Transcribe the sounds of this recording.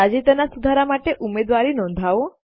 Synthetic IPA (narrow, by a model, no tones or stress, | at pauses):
ad͡ʒit̪ənasud̪ʱaɾamaʈeʔumed̪ʋaɾinɔ̃nd̪ʱaʋo